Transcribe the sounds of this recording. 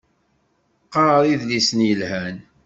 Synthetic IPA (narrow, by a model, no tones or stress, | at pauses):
qːɑɾˤɾˤiðlisənjəlhæn